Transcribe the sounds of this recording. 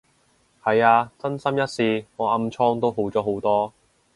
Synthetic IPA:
hɐ˨jaː˧t͡sɐ˥nsɐ˥mjɐ˥t̚siː˨˧ŋɔː˨˧ɐ˧mt͡ʃʰɔː˥ŋt̪o˥wɦo˨˥wt͡sɔː˨˥ɦo˨˥wt̪ɔː˥

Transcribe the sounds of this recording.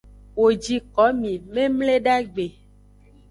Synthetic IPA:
wo˨d͡ʒi˨kɔ˨˦mĩ˨mẽ˦mle˦ɖa˦ɡ͡be˨

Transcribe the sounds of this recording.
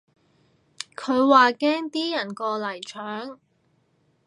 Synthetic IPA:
kʰɵ˨˧ɥwaː˨kɛː˥ŋt̪iː˥jɐ˨˩nkɔː˧lɐ˨˩jt͡ʃʰœː˨˥ŋ

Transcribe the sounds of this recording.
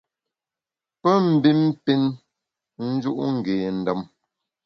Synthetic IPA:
pə˦m̩˨bi˦m˦pi˦n | n̩˦d͡ʒu˦ʔŋ̩˨ɡeː˨n̩˨də˨m

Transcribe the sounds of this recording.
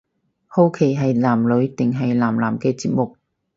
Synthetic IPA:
ho˥wkʰe˨˩jɦɐ˨jlaː˨˩mlɵ˨˥ɥt̪ɪ˨ŋɦɐ˨jlaː˨˩mlaː˨˩mkɛː˧t͡siː˧p̚mʊ˨k̚

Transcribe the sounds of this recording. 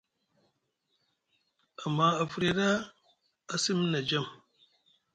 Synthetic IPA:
a˨mːa˨a˨fu˨˦ɾi˨da˦ | a˦si˦mi˦na˨d͡ʒa˦m

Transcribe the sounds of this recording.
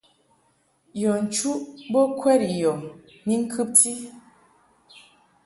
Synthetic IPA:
jɔ˨n̩˨t͡ʃu˦ʔbɔ˦kʰwɛ˦ɾi˨jɔ˨ | ni˦ŋ̩˦kʰɨ˦p̚ti˦

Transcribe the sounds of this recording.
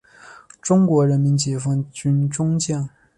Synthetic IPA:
ʈ͡ʂʊ˥ŋkwɔ˧˥ɻə˧˥nmi˧˥nt͡ɕi˨˩fɑ˥ŋt͡ɕy˥nʈ͡ʂʊ˥ŋt͡ɕjɑ˥˩ŋ

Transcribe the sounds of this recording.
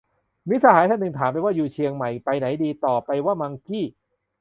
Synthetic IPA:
mi˦˥sa˧haː˨˩˦jt̪ʰa˥˩nːɯ˧ŋt̪ʰaː˩˦mpa˧jwaː˥˩juː˨˩t͡ɕʰi˧əŋma˨˩jpa˧jna˩˦jdiː˧t̪ɔː˨˩pa˧jwaː˥˩ma˧ŋkʰiː˥˩

